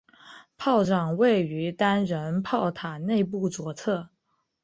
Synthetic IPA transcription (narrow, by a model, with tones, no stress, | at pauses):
pʰɑ˥˩ʊʈ͡ʂɑ˨˩ŋwe˥˩ɪy˧˥t̪a˥nɻə˧˥npʰɑ˥˩ʊt̪ʰa˨˩ne˥˧ɪp̬u˥˩t͡swɔ˧˥t͡sʰɤ˥˩